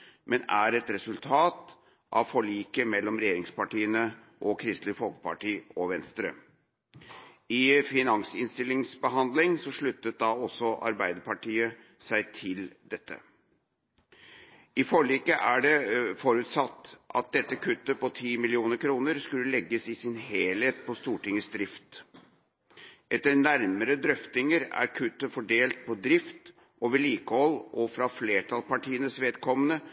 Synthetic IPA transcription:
mɛnæɾɛt̪ɾɛsʉlt̪ʰɑːt̪ | ʔɑ̰ʋfɔɭiːkəmɛlːɔmɾɛjeːɾɪŋspɑʈiːənə | ʔɔkʰɾɪst̪lɪfɔlkə̥pɑ̰ʈiːɔʋɛnst̪ɾə | ɪfɪnɑŋsɪnst̪ɪlːɪŋsbəɦɑnd̪lɪŋsɔʂɭʉt̪ːət̪̚d̪ɑɔsːɔʔɑ̰ɾbæɪd̪əɾpʰɑʈʰiːə | sæɪt̪ʰɪld̪ɛt̪ːə̰ | ɪfɔɭiːkəʔæɖɛfɔɾʉːt̪sɑt̪ːʔɑ̰t̪̚d̪ɛt̪ːəkʰʉt̪ːəpɔt̪ʰiːmɪlɪuːnəɾkʰɾuːnəɾskʉlːəlɛɡːəsɪsɪnheːlheːt̪̚pʰɔst̪uːʈɪŋəsd̪ɾɪft̪ | ʔɛt̪ːəɾnæɾməɾəd̪ɾœft̪ɪŋəɾæ̰ɾkʰʉt̪ːəfɔɖeːlt̪̚pʰɔd̪ɾɪft̪ | ʔoʋəɭiːkəhɔlːʔɔfɾɑfleːʈʰɑlpɑʈʰiːənəsʋeːd̪kʰɔmːənə

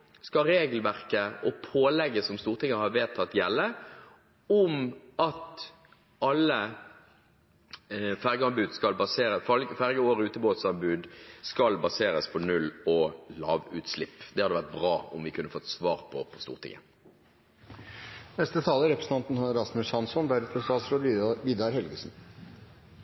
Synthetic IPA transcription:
skɑɾeːɡəl̩ʋæʁkəɔpʰoːlɛɡːəsɔmst̪uːʁt̪ɪŋːəhɑːʋeːt̪ʰɑt̪jɛlːə | ʊmɑt̪ | ɑlə | fæʁɡəɑmbʉːd̪skɑlbɑseːɾəfɑlɡəfæʁɡəoːʁəʉːt̪əboːt̪sɑnbʉːd̪skɑlbɑseːʁəspʰɔnʉlɔlɑːʋʉ̰t̪slɪpːd̪ɛhɑd̪əʋæʁt̪̚bʁɑːɔ̰mʋɪkʰʉnːəfɔt̪ːsʋɑːʁpʰɔpʰɔst̪ṵːʁt̪ʰɪ̰ŋːə | nɛst̪ət̪ʰɑːləɾɛpɾəsən̩t̪ɑnt̪n̩ɑɾɑsmʉsɑnsɔnbæɾɛpɾəst̪ʰɑːsɾod̪ʋid̪ɑɾhɛlɡəsn̩

